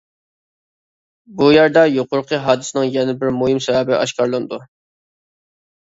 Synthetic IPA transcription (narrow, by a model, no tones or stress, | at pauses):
bujæɾd̪ɛjoqʊɾqʰəɦɑːd̪ɨsɨnɪŋjɛnɪbɪɾmuɦɪmsɛvɛbɪʔɑʃkɑɾlˠɨnd̪u